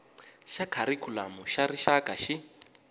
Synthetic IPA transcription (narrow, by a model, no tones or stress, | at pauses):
ʃakʰaɾikʰula̰muʃariʃakʼaʃi